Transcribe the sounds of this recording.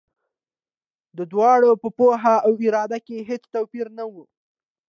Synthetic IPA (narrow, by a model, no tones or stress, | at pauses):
d̪əd̪wɑɽopəpoɦaawɪɾɑd̪akeɦet͡st̪awpiɾnawu